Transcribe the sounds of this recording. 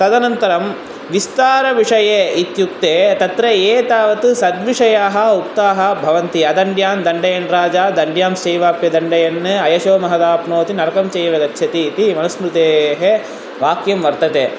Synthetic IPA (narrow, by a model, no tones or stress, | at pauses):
t̪ɐd̪ɐnɐnt̪ɐɾɐm | ʋist̪aːɾɐʋiʂɐjeːit̪juk̚t̪eːt̪ɐt̪ɾɐeːt̪aːʋɐt̪usɐd̪ʋiʂɐjaːɦɐ̆ukt̪aːɦɐbʱɐʋɐnt̪iɐd̪ɐɳɖjaːnd̪ɐɳɖɐjɐnɾaːd͡ʒaːd̪ɐɳɖjaːmʃeːʋaːpjɐd̪ɐɳɖɐjɐnːɨɐjɐʃoːmɐɦɐd̪aːpnoːt̪inɐɾɐkɐmt͡ʃejɐʋɐɡɐtːʃʰɐt̪iːt̪imɐnɐsmɾut̪eːɦe | ʋaːkjɐmʋɐɾt̪ɐt̪eː